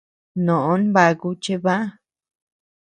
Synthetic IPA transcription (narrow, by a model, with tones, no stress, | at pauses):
nõ˨ʔõ˦nβa˧ku˧t͡ʃe˦βa˦